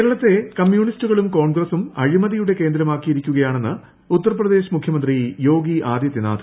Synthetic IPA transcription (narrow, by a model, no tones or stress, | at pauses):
keːɾɐɭɐt̪ːe̞kɐmjuːɳistuɣɐɭumko̞ːɳɡrɐsumɐ̰ɻimɐðijuɽe̞ke̞ːnd̪ɾɐmaːkːijiɾikʲːuɣɐjaːɳe̞nːɨ | ut̪ːɐrprɐd̪e̞ːɕɐmukʰjɐmɐnd̪rijo̞ːɡiʔaːd̪jɐt̪ːjɐna̰ːd̪ʰ